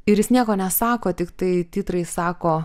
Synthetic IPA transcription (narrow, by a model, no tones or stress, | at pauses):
ɪɾjɪsnʲiɛkoːnʲɛsɑːkoːt̪ʲɪkt̪ɐɪt̪ʲiːt̪ɾɐɪsɑːkoː